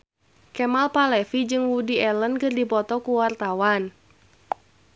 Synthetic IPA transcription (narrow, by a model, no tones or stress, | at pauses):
kɛmalpalɛfid͡ʒɨŋwudiɛlənkɨrdipɔt̪ɔkuwart̪awan